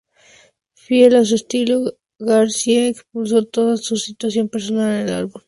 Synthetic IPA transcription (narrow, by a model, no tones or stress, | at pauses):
fjelas̬uest̪ilo | ɣaɾsiaekspuls̬o̞t̪o̞ðasusit̪wasjo̞mpe̞ɾso̞nalela̰lβul